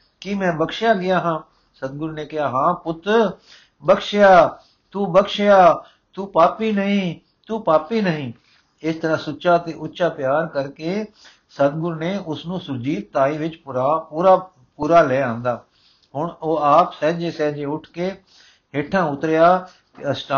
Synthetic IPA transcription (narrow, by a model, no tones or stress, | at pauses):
kimɛ̃ːbəkʃjaːɡɪjaːɦãː | səd̪̚ɡʊɾneːkɪɦaːɦãːpʊt̪ɾ | bəkʃɪjaː | t̪uːbəkʃjaː | t̪uːpaːpiːnəɦĩː | t̪uːpaːpiːnəɦĩː | ɪst̪əɾãːsʊt͡ʃaːt̪eːʔʊtːʃaːpjaːɾkəɾkeː | səd̪ɡʊɾneːʊsnũːsʊɾd͡ʒiːt̪̚t̪aːiːʋɪt͡ʃpɾapuːɾaː | puːɾaːlɛːãːnd̪aː | ɦʊɳoːaːpsɛːd͡ʒeːsɛːd͡ʒeːʊʈʰkeː | ɦeːʈʰãːʊt̪ɾɪjaː | t̪eəsʈa